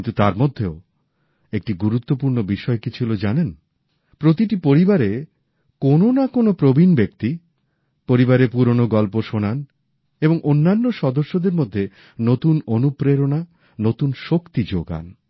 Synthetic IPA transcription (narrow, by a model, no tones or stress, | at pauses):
int̪ut̪a̰ɾmod̪ʱːeo | ek̚ʈiɡuɾut̪ːopuɾnobiʃɔekit͡ɕʰilod͡ʑanen | pɾot̪iʈipoɾibaɾe | kononakonopɾobʱinbek̚t̪i | poɾibaɾepuɾonoɡɔlpoʃonan | eboŋʔonːanːoʃɔd̪oɾʃːod̪eɾmod̪ʱːe | not̪unonupɾeɾona | not̪unʃokt̪id͡ʑoɡa̰n